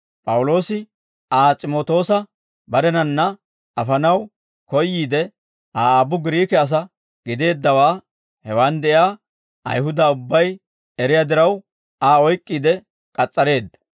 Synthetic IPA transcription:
pʼɐwʊlo̞ːsɪ | ʔaːt͡sʼɪmoːt̪o̞ːsɐ | bɐɾɛnɐnːɐ | ɐfɐnɐw | kɔjːiːd̪ɛ | ʔaːaːbʊɡɪɾiːkɛɐs̬ɐ | ɡ̥ɪd̪e̞ːd̪ːɐwaː | hɛwand̪ɛʔjaː | ʔɐ̰jɦʊd̪ɐʊbːɐj | ɛɾɪjaːd̪ɪɾɐw | aːɔjkʼːiːd̪ɛ | kʼɐt͡sʼːɐɾe̞ːd̪ːɐ̥

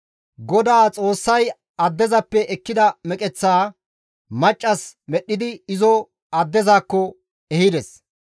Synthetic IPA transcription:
ɡɔd̪aːt͡sʼo̞ːsːɐj | ɐd̪ːɛzɐpːɛʔɛkːɪd̪ɐmɛkʼɛt͡sːaː | mɐt͡ʃʼːɐsmɛɗːɪd̪ɪɪzɔ | ɐd̪ːɛzaːkːɔ | ɛhɪd̪ɛs

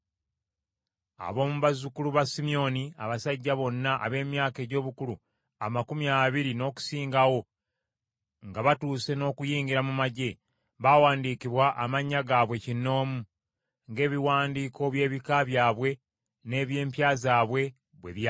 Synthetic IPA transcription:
a̰βo̞ːmuβazukuluβasimio̞nia̰βasaɟːaβo̞nːaʔa̰βe̞ːmjaːke̞ːɟo̞ːβukulu | amakumjaːβiɾino̞ːku̥siːŋɡawo̞ | ŋɡaβatuːse̞no̞ːkujiːɲɡiɾamumaɟe̞ | βawaːndiːkiβwaʔamaɲːaɡaβwe̞cinːo̞ːmu | ŋɡe̞ːβiwaːndiːkʰo̞βje̞ːβikaβjaːβwe̞ | ne̞ːβje̞ːmpjaːzaːβwe̞ | βweβj

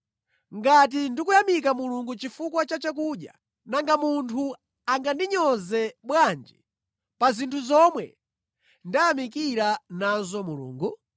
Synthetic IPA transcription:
ŋɡat̬indikujamik̬amuluŋɡut͡ʃifukwat͡ʃat͡ʃak̬uɗja̰ | naŋɡamuntʰu | aŋɡandiɲɔzɛɓwand͡ʒi | pazintʰuzɔmwɛ̰ | ndajamikiɾanazɔmulṵːŋɡu

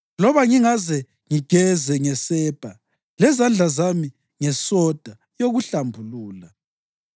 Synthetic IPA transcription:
lɔβaŋiŋazɛ | ŋiɡ̥ʱɛzɛŋɛsɛːb̥ʱa | lɛzand͡ɮʱazami | ŋɛsɔd̥ʱa | joɣuɬambʱuluːla

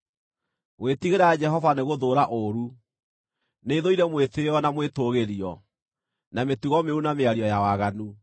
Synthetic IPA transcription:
wetiɣeɾad͡ʒɛɦɔvaneɣoðoɾaʔoɾu | neiðoiɾɛmweteɔnamwetoɣeɾiɔ | nametuɣɔmeunameaɾiɔjawaɣanu

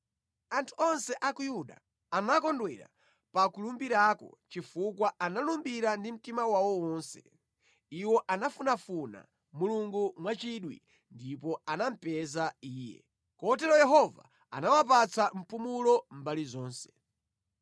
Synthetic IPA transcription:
antʰu̥ɔnsɛʔakujuɗa̰ | anakɔndwɛɾa̰ | pakulumbiɾakɔ̰t͡ʃifukwaanalumbiɾandim̩timawawɔwɔːnsɛ | iwɔʔanafunafuna̰ | muluŋɡumwat͡ʃiɗwḭ | ndipɔanam̩pɛzaiːjɛ̰ | kɔt̬ɛɾɔjɛɦɔva̰ | a̰nawapat͡sʰam̩pumulɔmbalizɔːnsɛ̥

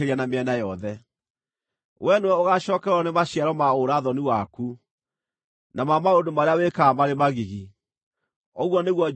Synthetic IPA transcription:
eɾianameɛnajɔðɛ | wɛnowɛoɣaɕɔːkɛɾwɔnemaɕiaɾɔmaoɾaðɔniwaku | namamaondomaɾeawekamaɾemaɣiɣi | ɔɣwɔneɣwɔ

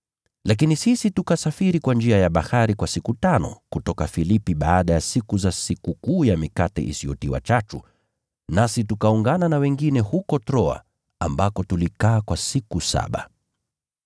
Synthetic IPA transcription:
lak̬inisisitukasafiɾikwand͡ʒiajaɓahaɾikwasikutanɔ̰kutɔkafilipiɓaːɗajasikuzasikukuːjamikatɛ̰ʔḭsiɔ̰tiwa̰t͡ʃatu | nasitukauŋɡananawɛŋɡinɛhukɔtɾɔa̰ | ambakɔtulikaːkwasikusa̰ɓa̰

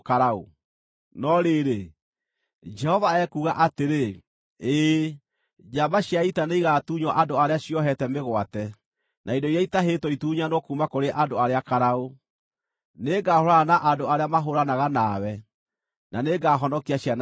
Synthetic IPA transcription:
kaɾao̰ | nɔɾeːɾe | d͡ʒɛhɔvaɛkuːɣaʔateɾe | eː | d͡ʒamaɕjaitaneiɣaːtuːɲwɔʔandoaɾeaɕiɔɦɛtɛmeɣwatɛ | nʔaidɔiɾaitaɦetɔituːɲanokumakoɾeʔadoaɾeakaɾao | neːɡaːhoɾaanaʔandoaɾeamaɦoɾanaɣanaːwɛ | naneɡaːɦɔnɔkiaɕjan

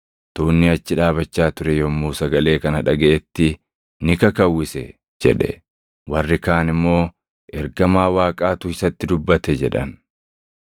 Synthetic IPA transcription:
t̪uːnːɪɐt͡ʃːɪᶑaːbɐt͡ʃːaːt̪ʊɾɛjɔmːuːsɐɡɐle̞ːkɐnɐᶑɐɡɐʔɛt̪ːɪ | nɪkɐkɐwːɪsɛ̰ | d͡ʒɛ̰ᶑɛ̰ | wɐrːɪkaːnɪmːo̞ː | ʔɛɾɡɐmaːwaːkʼaːt̪ʊɪsɐt̪ːɪd̪ʊbːɐt̪ɛd͡ʒɛᶑɐ̰n

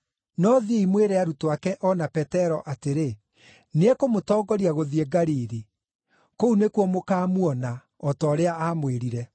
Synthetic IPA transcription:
nɔðieimweɾɛaɾutoakɛʔɔnapɛtɛɾɔʔateɾe | neɛkomotɔːɡɔɾiaɣoðieɡaɾiɾi | kounekuɔmokaːmwɔna | ɔtɔːɾeaaːmweɾiɾɛ

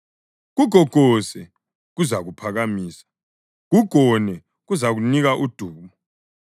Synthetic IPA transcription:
ɣuɡ̥ʱɔɡ̥ʱɔsɛ | ɣuzaɣupʰaɣamiːsḁ | ɣuɡ̥ʱɔnɛ | ɣuzaɣuniɣaʔud̥ʱuːmɔ

